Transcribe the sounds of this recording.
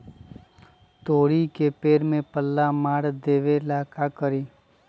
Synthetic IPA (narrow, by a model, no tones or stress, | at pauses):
t̪oːɽikepeːɾmẽpəlːamaɽd̪eʋelakakəɾiː